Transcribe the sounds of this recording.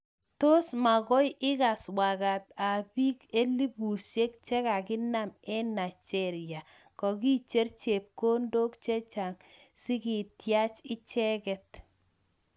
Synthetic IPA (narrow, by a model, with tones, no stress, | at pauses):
to˦sma˨kɔ˦jʔɪ˦ka˨swa˨ka˨ta˨bi˦ke˦li˦bu˨sje˦k̚t͡ʃɛ˦ka˨kɪ˦na˦mɛ˦na˨t͡ʃɛ˦ɾjja˨ | kɔ˨ki˦t͡ʃe˦ɾt͡ʃe˨p̚ko˦ndo˦kt͡ʃe˦t͡ʃa˨ŋ | sɪ˦ki˨tja˦t͡ʃɪ˦t͡ʃɛ˦kɛ˦t